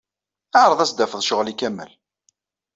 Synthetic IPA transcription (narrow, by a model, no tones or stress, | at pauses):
aʕɾˤəðˤæsd̪æfəðˤʃəʁlikæmə̰l